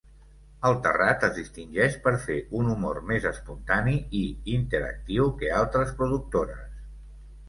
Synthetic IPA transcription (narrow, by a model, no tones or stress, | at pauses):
əlˠt̪ə̰rat̪əzðist̪inʲʒɛʃpəɾfeunumo̰rmezəspunt̪aniiint̪əɾə̰k̚t̪iwkəalˠt̪ɾəspɾuðuk̚t̪oɾəs